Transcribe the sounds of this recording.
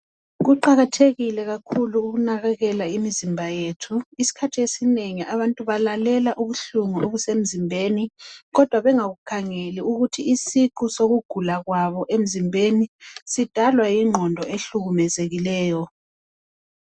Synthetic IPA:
ɣuǃaɣatʰeɣilɛɣakʰuluːɣunaɣɛɣɛlaimizimbʱajetʰuisi̥kʰatʰiesineŋiʔaβantʼuβalalɛlaʔuβuɬuŋuʔoβusem̩zimbʱeːniɣɔd̥ʱwaβɛŋaɣukʰaŋeliuɣutʰiisikʰusoɣuɡ̥ʱulaɣwaβɔʔem̩zimbʱenisid̥ʱalwajiŋ͡ǃʱɔndʱɔeɬuɣumɛzeɣilɛːjɔ

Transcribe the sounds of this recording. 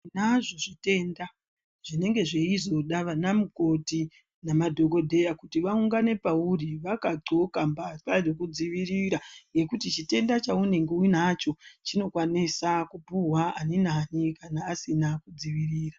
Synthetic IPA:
naʐo̞ʐite̞nda | ʐ̥ine̞ŋɡe̞ʐe̞izo̞ɗaʋanamuko̞ti | namadʱo̞ko̞dʱe̞jakutiʋauŋɡane̞pauriʋakaǃokambakarokud͡ziʋiriɾajɡe̞kutit͡ʃite̞ndat͡ʃaune̞ŋɡeinat͡ʃo̞t͡ʃino̞kwanisakupuɦwaaninanikanaːsinakud͡ziʋiriːra

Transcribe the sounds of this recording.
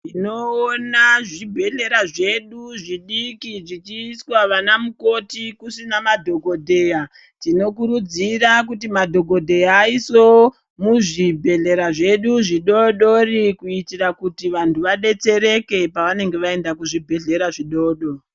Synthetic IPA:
ino̞ːnaʐibʱe̞ɮe̞ɾaʐe̞ɗuʐiɗikiʐit͡ʃiːswaʋanamuko̞tikusinamadʱo̞ɡʱo̞dʱe̞ja | tino̞kuɾud͡zirakutimadʱo̞ɡo̞dʱe̞jaːiso̞ | muʐibʱe̞ɮe̞ɾaʐe̞ɗuʐiɗo̞ɗorikuitirakutiʋantʰuʋaɗe̞t͡se̞ɾe̞ke̞paʋane̞ŋɡe̞ʋae̞ndakuʐibʱe̞ɮe̞ɾaʐiɗo̞ːɗo

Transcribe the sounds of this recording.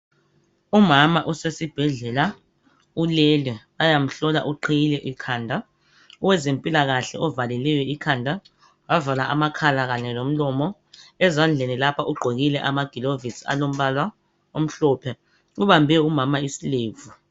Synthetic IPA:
umamaʔusesib̥ʱɛɮɛla | ulɛlɛ | ajam̩ɬɔla̰ʔuǃʰejilɛʔikʰaːndʱa | ɔwɛzempʼilak̬aɬɛ̰ɔvalɛlɛjwɛikʰandʱa | wavalaʔamakʰalak̬aɲɛlom̩lɔmɔ | ɛzand͡ɮʱenilapʰaʔuɡ͡ǃʱek̬ilɛʔamaɡ̥ʱilovisa̰lom̩ɓala | om̩ɬɔːpʰɛ | uɓambʱɛumamaisileːvu

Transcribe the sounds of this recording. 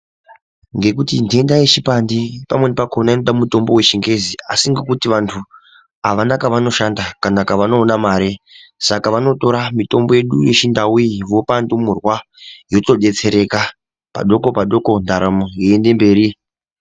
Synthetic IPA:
ŋɡe̞kutinde̞ndajet͡ʃipandipamwe̞nepakʰonaenoɗamuto̞mbo̞we̞t͡ʃiŋɡe̞ziasiŋɡe̞kutiʋantʰu | aʋanakaʋano̞ʃandakanakaʋano̞ːnamaːɾesakaʋano̞to̞ɾamito̞mbo̞je̞ɗuje̞t͡ʃindawuiʋo̞pandomurwa | jo̞to̞ɗe̞t͡se̞ɾe̞ka | pa̰ɗo̞ko̞paɗo̞ko̞ndaɾamojiende̞mbe̞ːɾi

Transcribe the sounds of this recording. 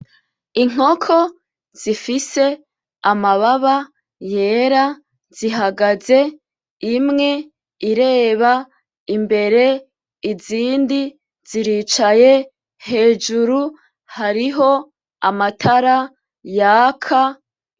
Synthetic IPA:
iŋ̥o̞kʰo̞ | z̥ifise̞ | amaβaβa | je̞ɾa | z̥iɦaɡaze̞ | imŋe̞ | iɾe̞ːβa | imbe̞ɾe̞ | iziːndi | z̥iɾiːt͡ʃaje̞ | he̞ːd͡ʒuɾu | haɾiɦo̞ | amatʰaɾa | jaːkʰa

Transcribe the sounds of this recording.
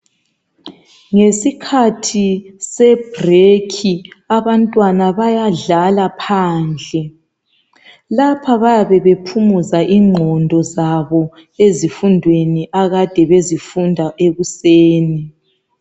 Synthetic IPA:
ŋesikʰatʰisɛb̥rekʰiaβantʼwanaβajaɮalapʰaːnd͡ɮʱɛ | lapʰaβajaβɛβepʰumuzaʔiːŋ͡ǃʱɔndʱɔzaβɔ | ezifundʱweniʔaɣad̥ʱɛβezifundʱaʔeɣuseːni

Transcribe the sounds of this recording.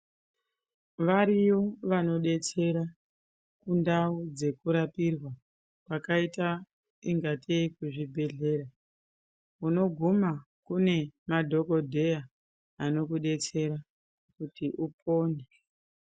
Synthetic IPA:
ʋaɾijo̞ʋano̞ɗe̞t͡se̞ɾa | kundaud͡ze̞kuɾapirwa | kwakaita | iŋɡatekuʐibʱe̞ɮe̞ɾa | uno̞ɡʱuma | kune̞madʱo̞ko̞dʱe̞ja | ano̞kuɗe̞t͡se̞ɾa | kutiʔupoːne

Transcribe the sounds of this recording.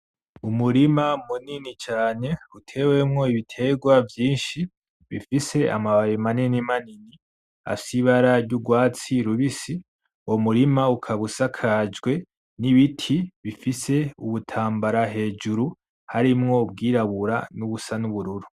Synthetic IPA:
umuɾimamuninit͡ʃaːne̞utʰe̞we̞mŋo̞iβitʰe̞ɡwavjiːnʃi | βifise̞a̰maβaβimaninimanini | a̰siβaɾaɾɟuɡwaːt͡siɾuβisi | womuɾimaukʰaβusakʰad͡ʒɡwe̞ | niβitʰiβifise̞uβutʰaːmbaɾaɦe̞ːd͡ʒuɾu | haɾimŋo̞b̚ɡiːɾaβuɾanuβusanuβuɾuɾu

